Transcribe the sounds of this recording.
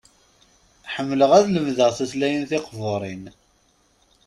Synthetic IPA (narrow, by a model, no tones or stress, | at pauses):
ħəmːləʁæðləmðəʁθæslæjənθɪqvoɾˤin